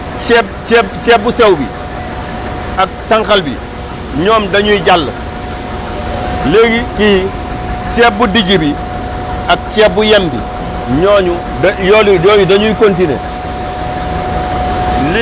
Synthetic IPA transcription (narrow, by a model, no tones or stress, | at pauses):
t͡ʃɛp̚t͡ʃɛːt͡ʃɛːbusɛwbḭ | ak̚saŋkɐlbḭ | ɲɔːmdɐɲuiɟalːə̰ | leɡikiji | t͡ʃɛːp̚budiɟibi | ɐk̚t͡ʃɛːbujembḭ | ɲɔːɲu | dɐjɔːlujɔːjudɐɲuikontinḛ | l